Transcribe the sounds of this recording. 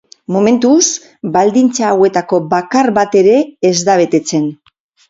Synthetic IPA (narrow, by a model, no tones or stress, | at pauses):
mo̞me̞nt̪us | bald̪int͡saːwe̞t̪ako̞bakaɾbat̪e̞ɾe̞ːzd̪aβ̞e̞t̪e̞t͡se̞n